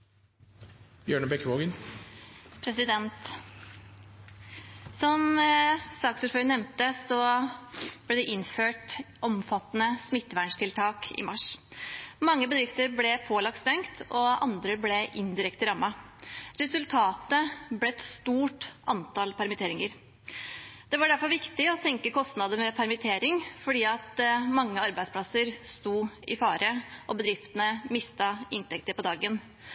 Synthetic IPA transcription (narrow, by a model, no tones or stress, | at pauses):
bjøːɳəbɛkʋoːɡən | pʰɾɛsɪd̪ɛnt̪ | sɔm | sɑːksʊɾfœʏnɛʋnt̪əsɔ | blɛd̪ɛʔɪnføːʈʔɔmfɑt̪ːənəsmɪt̪ːʋæɳʂtʰɪlt̪ʰɑːkɪ̰mɑʂ | mɑŋːəbəd̪ɾɪft̪əɾblɛpʰoːlɑk̚t̪st̪ɛŋkt̪ʰɔɑ̰nd̪ɾəblɛʔɪnd̪ɪɾɛkt̪əɾɑmːɑɾɛsʉlt̪ʰɑːt̪əblɛɛt̪st̪uːʈʔɑnt̪ʰɑlpʰæɾmɪt̪ʰeːɾɪŋəɾ | d̪̥ɛʋɑɖæɾfɔɾʋɪkt̪ɪɔsɛŋkəkʰɔst̪nɑd̪əmɛpʰæɾmɪt̪ʰeːɾɪŋfɔɖiːɑt̪mɑŋːəɑɾbæɪspʰlɑsəɾst̪uːɪ̰fɑːɾʔəʔɔbəd̪ɾɪft̪ənəmɪst̪ɑɪnt̪ɛk̚t̪əpɔd̪ɑːɡən